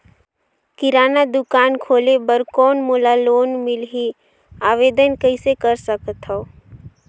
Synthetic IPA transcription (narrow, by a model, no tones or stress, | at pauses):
kɪɾaːnad̪ʊkaːnkʰoːlebəɾkɔːnmoːlaloːnmɪlɦi | aːʋeːd̪ənkəɪsekəɾsəkt̪ɦa